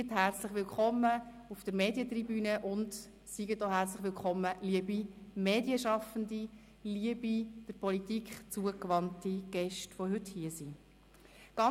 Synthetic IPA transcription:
ətɦært͡slɪχʋɪlkχɔmːə | ufd̥əɾmeːdjətribyːnəʔʊnd | siɡətoɦært͡slɪχʋɪlkʰɔmːəliəbimeːdiəʃɑfəndi | liəbid̥əpɔlitikχt͡suəkʋɑntiɡ̥ɛʃtfɔɦʏthiəsi | ɡ̥ɑ

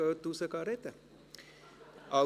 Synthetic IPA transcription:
ət̪usəkaɾet̪ə | a

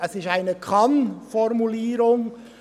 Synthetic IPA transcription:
ɛsɪstaɪnəkʰanfɔʁmuliːɾʊŋ

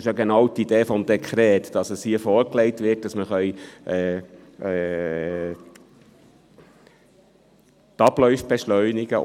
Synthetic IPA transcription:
ɪʃjɑɡenɑwt̪id̥eːfɔmd̪ekʰɾɛːt̪d̥ɑsəshiəfɔːɾklɛɪtʋɪt̚d̥ɑsməχœjʔɛː | ɛ | tɑblœʏfb̥eʃlœʏnɪɡə

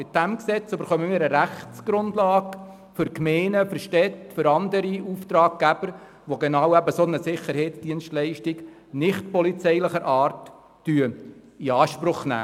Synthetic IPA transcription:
mɪt̚d̥æmksɛt͡søbəɾχœməmɪːɾəɾæχtsɡ̥ɾʊndlɑːɡ | fʏɾkmɛːnəfʏɾʃtɛtfʏɾɑnd̪əɾiuːft̪ɾɑːɡ̚ɡ̥æb̥əɾ | ʋoɡenɑːwæbəsonəsɪχːəɾhɛɪtsd̥iənʃtlɛɪʃtɪɡ | nɪχtpɔlit͡sɛɪlɪχəɾʔɑːrtː | yə | iɑːʃpɾʊχnæ̰ː

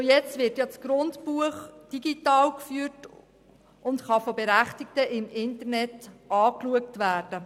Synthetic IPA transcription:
ojɛt͡stʋɪrtjɑt͡sɡ̥ɾʊntpuəχd̥iɡitɑːlkfyːt | ʔʊntχɑfɔbɛɾæχtiktəʔɪmɪntərnɛtɑːkluəktʋæːrd̥ə

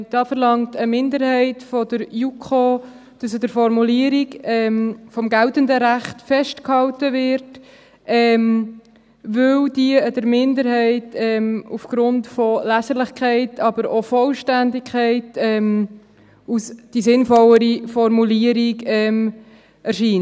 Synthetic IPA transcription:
d̥ɑːfəɾlɑŋtəmɪndəɾhɛɪtfɔdəɾjukχoː | d̥ɑsədəɾfɔɾmuliəɾiɡɛmfɔmɡæltəndəɾæχtfɛʃtkhɑltəvɪɾt | ɛm | ʋɵld̥iədəɾmɪndəɾɦɛɪtɛmufɡ̥ɾʊntfɔlæsəɾlɪχkχɛɪtʰɑbəɾofɔlʃtændɪkʰχɛɪtɛm | usd̥isɪnfɔlːəɾifɔɾmuliəɾiɡɛːm | ɛɾʃiːn

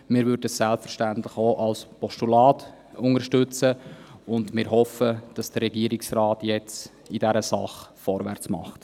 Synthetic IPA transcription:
mɪːɾvʏɾdəəssɛlpfəɾʃtæntlɪχoːʔɑlspɔʃtulɑːt | ʊŋəɾʃtʉt͡səʊndmɪɾɦɔfəd̥ɑsd̥ərːɛɡiəɾɪksrɑːtjɛt͡s | idɛɾəsɑ̰χfɔɾvæ̰ɾt͡smɑ̰χt

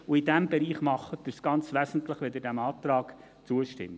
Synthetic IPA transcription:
uɪdæmbɛɾiːχmɑχəd̥̪əsɡ̥ɑnt͡sʋæsn̩t̪ləχʋed̪ədæmɑːt̪ɾɑːk | t͡suəʃtɪ̰mːɪ

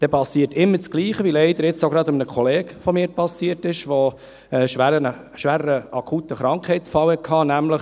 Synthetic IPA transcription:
d̥ɛpɑsiːətɪmːət͡sɡ̥liːχəʋilɛɪd̪əɾɪt͡soʊɡɾɑd̪ɪmənəkʰɔleːkfɔmiːpɑsiːtɪʃʋo | ɛʃʋæɾənə | ʃʋæːɾəɾəɑkʰuːtəχɾɑŋkχhɛɪtt͡sfɑwhɛkʰɑːnæmləχ

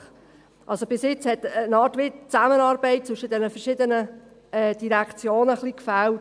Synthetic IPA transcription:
ʔɑlsob̥ɪsjɪt͡shɛtːnɑːtʋɪtt͡sæmənɑːɾbɛɪt̚t͡sʋʏʃədɛnəfɛʃɪdənə | ɛd̥iɾækt͡sjoːnəχlikfælt

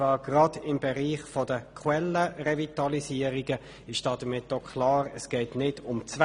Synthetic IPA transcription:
ɑːɡ̥ʁɑd̥ɪmbɛʁiːχfɔdəkʰwɛlːəʁɛvitɑlisiːəɾiɡə | ɪʃd̥ɑːd̥̪əmɪt̚ːɔkʰlɑːɾəsɡ̥ɛɪtnɪdʊmt͡s

